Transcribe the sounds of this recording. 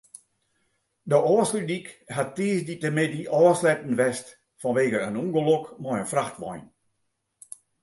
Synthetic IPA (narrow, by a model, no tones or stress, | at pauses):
dəʔɔːslydikhatːeːsditəmɪdiʔɔːslɛtn̩ʋɛst | fɔnʋeːɡəənuŋɡəlokmɔjənfraxtʋɔ̰jn